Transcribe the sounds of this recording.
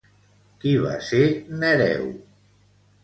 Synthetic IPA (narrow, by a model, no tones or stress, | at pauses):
kiβa̰senəɾɛ̰w